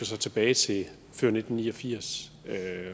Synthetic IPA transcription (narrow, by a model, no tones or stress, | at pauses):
ɐsɑ̈ɪt͡sʰe̝b̥ɛːɪt͡sʰe̝l | føɐne̝d̥n̩niːɒ̽fiɐ̰s | ø